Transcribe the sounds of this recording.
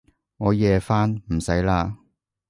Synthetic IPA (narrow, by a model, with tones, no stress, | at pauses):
ŋɔː˨˧jɛː˨˧faː˥nm̩˨˩sɐ˨˥jlaː˧